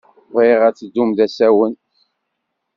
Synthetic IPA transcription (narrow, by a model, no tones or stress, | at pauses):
vɾiʁæt͡sːəd̪ːumðæsæwən